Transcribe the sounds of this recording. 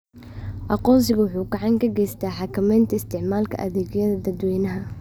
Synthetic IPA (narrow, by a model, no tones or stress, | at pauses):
ʔɑqɔːns̬ɪɣʊwʊħuːɡɑʕɑŋkʰɐɡɛjst̪ʰaːħɑkʰɐmɛjnt̪ʰɐɪst̪ʰɪʕmaːlkʰɐ̰ʔɐðɛːɡjɐðɐd̪ɐd̪wɛːnɐɦɐ